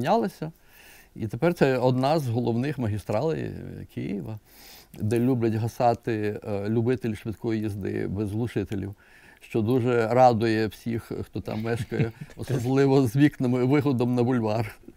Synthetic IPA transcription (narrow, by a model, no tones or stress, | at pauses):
nʲɑlˠɐsʲɐ | it̪epɛrt̪sɛɔd̪nɑzɦɔlˠɔwnɪxmɐɦʲist̪ɾɑlˠɪ̰j̰kʰɪjḭʋɐ | d̪ɛlʲubʲlʲɐtʲɦɐsɑt̪ɪlʲʊbɪt̪ɪlʲʃʋɪt̪kɔjijizd̪ɪ̰bɛzlˠʊʃɪt̪elʲḭw | ʃt͡ʃɔd̪uʒɛɾɑd̪ʊjɛwsʲixxt̪ɔt̪ɑ̰mːɛʃkɐjɛɔsɔblˠɪʋɔzʋʲiknɪmɪʋɪɦɔd̪ɔmnɐbʊlʲʋɑr